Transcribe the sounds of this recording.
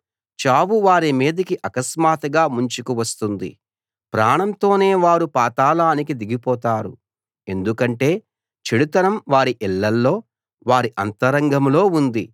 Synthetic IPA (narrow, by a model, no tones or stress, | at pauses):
t͡ʃaːʋuʋaːɾimiːd̪ɐkiʔɐkɐsmaːt̪ɐɡaːmuɲt͡ʃukuʋɐst̪und̪ḭ | pɾaːɳɐmt̪o̞ːne̞ːʋaːɾupaːt̪aːlaːnikid̪iɡipɔːt̪aːɾṵ | e̞nd̪ukɐɳʈe̞ː | t͡ʃiɽut̪ɐnɐmʋaːɾiʔilːɐlːo̞ː | ʋaːɾiʔɐnt̪ɐɾɐŋɡɐmlo̞ːund̪ḭ